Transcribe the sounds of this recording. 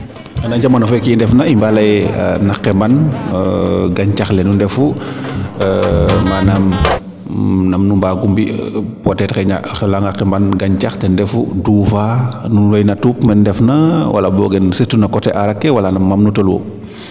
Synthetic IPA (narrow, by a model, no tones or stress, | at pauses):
ɐnaɲɟamanɔfɛkindɛfnɐimbalɐj̰nakːɛmban | ɡaɲcaxlɛnundɛfu | manam | nɐmnumbaːɡumbḭpɔtɛtkɛɲa̰xɛlaŋɡakːɛmbanɡaɲcaxtɛndɛfuduːfanulɐjnatupmɛnndɛfnɐwʔa̰lɐbɔɡɛnsitunɐkɔtɛʔaɾakːɛwɐlanɐmːamnutɔlwo̰